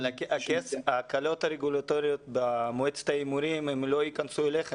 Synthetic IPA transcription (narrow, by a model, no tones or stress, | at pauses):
akesakalo̞taɾeɡulat̪oɾijo̞t̪bemoet͡se̥t̪aimuɾimemlo̞ikansueleχ